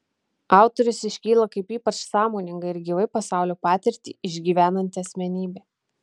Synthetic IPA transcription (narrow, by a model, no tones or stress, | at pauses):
ɑˑʊt̪ɔɾʲʊsɪʃʲkʲiːlˠɐkɐɪpiːpɐt͡ʃsɑːmoːnʲɪŋɡɐɪɪɾɡʲiːʋɐɪpɐsɑˑʊlʲoːpɑːt̪ʲɪɾʲt̪ʲḭːɪʒʲɡʲiːʋʲæːnɐnʲt̪ʲɪɐsʲmʲɛnʲiːbʲeː